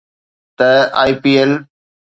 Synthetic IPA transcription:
t̪ɐaːipiːel

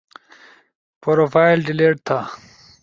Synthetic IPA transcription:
poɾofaːilɖileːʈ̚t̪ʰa

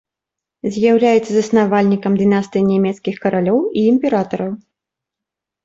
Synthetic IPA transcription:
zʲjawlʲajɛt̪sːɐzɐsnavalʲnʲikɐmd̪ɨnast̪ɨjinʲɛmʲɛt̪skʲixkɐɾalʲɔwiːmpʲɛɾat̪ɐɾɐw

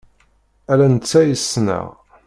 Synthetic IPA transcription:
ælænət͡sːæjəsːnə̰ʁ

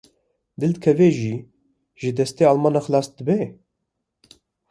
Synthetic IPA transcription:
d̪ɨld̪ɨkʰɛveːʒiː | ʒɨd̪ɛst̪eːɑːlmɑːnɑxɨlɑːsd̪ɨbɛ

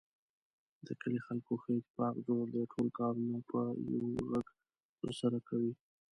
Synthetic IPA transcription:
d̪̥əkəlixalkoxet̪pɑkzoɾd̪əʈʰolkɑɾunapəja̰wɣaɡ | t̪ə̰ɾsaɾakawi

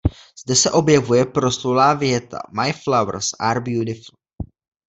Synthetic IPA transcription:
z̥dɛsɛʔo̞bjɛvujɛpɾo̞slulaːvjɛt̪ʰa̰majflawɾsʔaɾbjud̪ɪfl̩

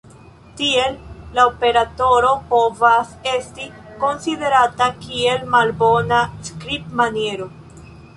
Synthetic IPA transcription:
tie̞lːaope̞ɾato̞ɾo̞po̞vase̞sti | ko̞nside̞ɾatakie̞lmalbo̞naskɾipmanje̞ɾo̞

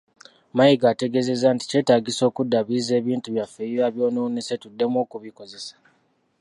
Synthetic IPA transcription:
majiɡaːte̞ɡe̞ze̞zanti̥ceːtaːɡiso̞ːkudːaβize̞ːβiːntuβjafeiɾaβjo̞ːnonesetudːe̞mo̞ːkuβiko̞ze̞sḁ

